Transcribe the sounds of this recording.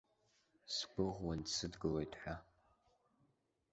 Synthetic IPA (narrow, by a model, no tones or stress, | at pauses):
sɡʷʊʁwɐnsʰɨdɡɨlejtħʷa